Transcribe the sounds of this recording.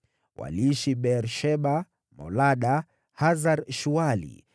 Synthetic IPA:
wa̰liiʃiɓɛɾʃɛɓa | mɔ̰laɗa | hazaɾʃualḭ

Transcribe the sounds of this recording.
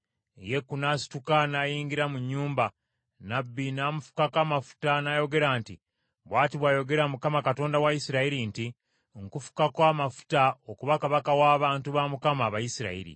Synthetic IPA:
je̞kːunasi̥tukanajiːŋɡiɾamuɲːuːmba | nabːinaːmufu̥kakamafu̥tanajo̞ɡe̞ɾaːnti | βwaːtiβwaːjo̞ɡe̞ɾamukamakato̞ːndawajisiɾaiɾinti | ŋkufu̥kakwaːmafu̥taokuβakaβakawaːβaːntuβaːmukamaːβajisiɾa̰ḭɾḭ

